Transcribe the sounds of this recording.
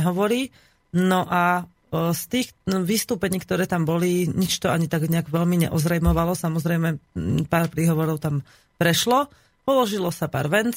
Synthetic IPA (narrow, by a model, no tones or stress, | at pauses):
ɦɔʋɔɾiː | nɔʔa | st̪iːxʋist̪uːpɛɲiːkt̪ɔɾɛːt̪ambɔliɲit͡ʃt̪ɔaɲit̪aɡɲɛaɡʋɛlmiɲɛ̰ʔɔzɾɛjmɔʋalɔsamɔzɾɛjmɛpaːɾpɾiːɦɔʋɔɾɔʊt̪am | pɾɛʃlɔ | pɔlɔʒilɔsapa̰ːɾʋɛnt͡s